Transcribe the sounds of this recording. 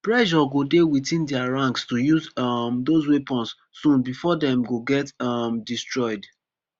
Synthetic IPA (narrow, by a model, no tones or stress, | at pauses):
pɹɛʒɔɡodewitĩndɛaɹãŋkstujuzmdozwepɔ̃ns | sũnbifɔdɛ̃mɡoɡɛtamdistɹɔɪd